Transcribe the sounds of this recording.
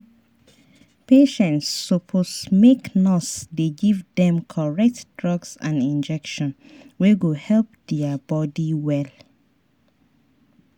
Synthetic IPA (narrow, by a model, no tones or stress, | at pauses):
peʃɛ̃ntsːɔpʰosmeknɔsdeɡivdɛ̃mkʰɔɹɛk̚td̥ɹɔɡsã̰nĩnd͡ʒɛkʃɔ̃n | wɛwuhɛlp̚dɛəbɔdiwɛl